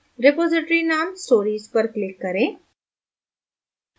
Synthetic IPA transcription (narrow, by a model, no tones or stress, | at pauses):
ɾɪpoːzɪʈɾinaːmsʈoːɾiːzpəɾklɪkːəɾẽː